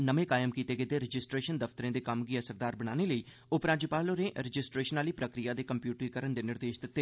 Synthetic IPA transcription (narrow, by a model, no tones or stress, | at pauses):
nəmẽːkaːjəmkiːt̪eːɡɪt̪eːɾɪd͡ʒɪsʈɾeːʃənd̪əft̪əɾẽːd̪eːkəmɡiːəsəɾd̪aːɾbəɽ̃aːneːləiː | ʊpɾãːd͡ʒəpaːloːɾẽːʔɾɪd͡ʒɪsʈɾeːʃənaːliːpɾəkɾɪjaːd̪eːkəmpjuːʈɾikəɾəɳd̪eːnɪɾd̪eːʃd̪ɪt̪ːeː